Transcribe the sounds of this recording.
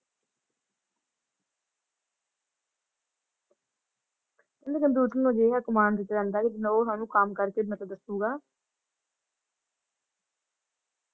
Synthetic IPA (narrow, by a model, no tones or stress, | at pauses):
kɛ̃nd̪eːkənd̪uːt̪ənod͡ʒeːɦɛːkʊmaːnd̪ɪt̪ːd͡ʒãːnd̪aːkid͡ʒɪnãoːt̪ʰaːnũːkamkəɾkeːmət̪əd̪əsuːɡaː